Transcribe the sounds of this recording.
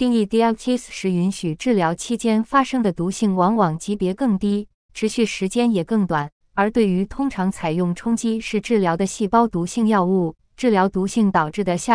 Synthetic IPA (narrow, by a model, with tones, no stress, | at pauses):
t̪i˥˧ŋi˥˧t̪i˥˧a˥˩tʰi˥sʂɻ̩˥˩i˧˥nɕy˨˩ʈ͡ʂɻ̩˥˩ljɑ˧˥ʊt͡ɕʰi˥t͡ɕjɛ˥nfa˥ʂɤ˥ŋd̪ə˨t̪u˧˥ɕi˥˩ŋwɑ˧˥ŋwɑ˨˩ŋt͡ɕi˧˥pjɛ˧˥kɤ˥˩ŋt̪i˥ | ʈ͡ʂʰɻ̩˧˥ɕy˥˩ʂɻ̩˧˥t͡ɕjɛ˥njɛ˨˩kɤ˥˩ŋt̪wa˨˩n | ə˞˧˥t̪we˥˩ɪy˧˥t̪ʰʊ˥ŋʈ͡ʂʰɑ˧˥ŋt͡sʰa˨˩ɪjʊ˥˩ŋʈ͡ʂʰʊ˥ŋt͡ɕi˥ʂɻ̩˥˧ʈ͡ʂɻ̩˥˩ljɑ˧˥ʊd̪ə˧ɕi˥˩pɑ˥ʊt̪u˧˥ɕi˥˧ŋjɑ˥˧ʊu˥˩ | ʈ͡ʂɻ̩˥˩ljɑ˧˥ʊt̪u˧˥ɕi˥˩ŋt̪ɑ˨˩ʊʈ͡ʂɻ̩˥˩d̪ə˩ɕja˥˧